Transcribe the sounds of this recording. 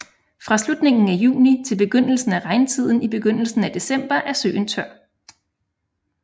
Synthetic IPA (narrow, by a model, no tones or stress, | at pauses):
fʁɑ̈slud̥ne̝ŋn̩æjṵːnit͡sʰe̝lb̥e̝ɡ̥øn̰l̩sn̩æʁɑ̈ɪnt͡sʰið̰ˠn̩ib̥e̝ɡ̥øn̰l̩sn̩æd̥e̝sem̰b̥ɐʔæɐsø̰ːnt͡sʰœɐ̰